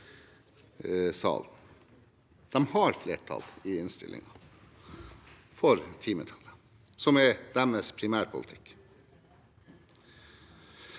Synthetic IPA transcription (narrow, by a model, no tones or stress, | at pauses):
sɑ̰ːln | d̪̥ɛmhɑɾfleːʈʰɑ̰lɪɪnst̪ɪ̰lʔɪ̰ŋɑ | fɔɾt̪ʰiːmət̪ʰɑlə | sɔmɛd̪æməspʰɾɪmæːɾpʰʊlɪt̪ʰɪk